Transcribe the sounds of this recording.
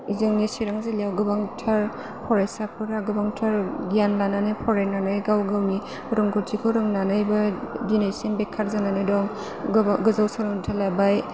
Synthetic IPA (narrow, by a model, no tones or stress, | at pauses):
izɯŋnisiɾaŋzelijawɡɯbaŋtʰaɾ | pʰɔɾasapʰɯɾaɡɯbaŋtʰaɾɡijanlananɯjpʰɔɾejnanɯjɡawɡawni | ɾɯŋɡuɾtʰikʰɯɾɯŋnanɯjbɐdinasenbekʰːaɾzananɯdɔŋ | ɡɯzawsaɾɔŋtʰalabaj